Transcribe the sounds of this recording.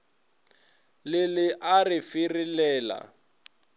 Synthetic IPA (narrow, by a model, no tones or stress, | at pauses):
lɪlɪʔarɪfirɪlɛːla̰